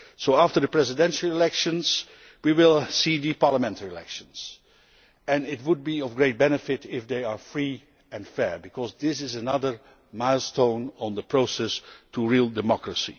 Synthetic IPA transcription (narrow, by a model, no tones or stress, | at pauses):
soʊæftə˞ðəpɹɛzɪdɛ̃nʃl̩ˠɪlɛkʃə̃nz̥ | wiwɪlˠsiðɨpɑɹləmɛ̃ntəɹiəlɛ̰kʃə̃nz̥ | ɨ̃nɪt̚wʊd̚biʌvɡɹeɪt̚bɛnɨfɪtɪfðeɪə˞fɹi | ɨ̃nfɛɹbɨkʰɔzðɪsɪzənʌðə˞ | maɪlˠstõʊ̃nə̃nðəpʰɹ̥oʊsɛstʰuɹilˠdɨmɑkɹəsḭ